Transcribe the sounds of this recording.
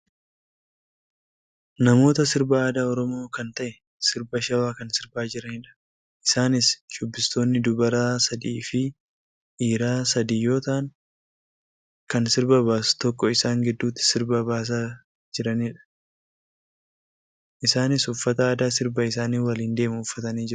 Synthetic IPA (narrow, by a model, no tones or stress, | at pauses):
nɐmo̞ːt̪ɐsɪɾbaaːd̪aːɔɾɔmo̞ːkɐnt̪ɐʔɛ | sɪɾbɐʃɐwaːkɐnsɪɾbaːd͡ʒɪɾɐniːᶑɐ̥ | ʔɪsaːnɪsd͡ʒʊbːɪst̪o̞ːnːɪd̪ʊbɐɾaːsɐd̪iːfɪ | ʔiːɾaːsɐd̪iːjːo̞ːt̪aːŋ | kɐnsɪɾbɐbaːsʊ̥t̪ɔkːɔɪsaːŋɡɪd̪ːuːt̪ːɪ̥sɪɾbɐbaːs̬aː | d͡ʒɪɾɐniːᶑɐ̥ | ʔɪsaːnɪsʊfːɐt̪ɐːd̪aːsɪɾbɐɪs̬aːniːwɐliːnd̪e̞ːmʊʊfːɐt̪ɐniːd͡ʒɪ